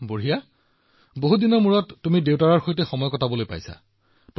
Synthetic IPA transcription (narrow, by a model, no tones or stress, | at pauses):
boɹija | boɦudinɔɹmuɹɔtːumidewtaɹaɹxojtɛxɔmɔjkɔtʰabɔlojpa̰jsa̰ | p